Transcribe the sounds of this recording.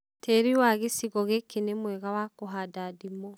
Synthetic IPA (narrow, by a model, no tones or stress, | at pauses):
tʰeɾiwaɣesiɣɔɣekenemwɛɣawakoɦadadimɔ